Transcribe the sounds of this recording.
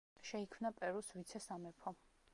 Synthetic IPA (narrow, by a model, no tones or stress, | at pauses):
ʃɛikʰmnapʼɛɾusvit̪sʰɛsamɛpʰɔ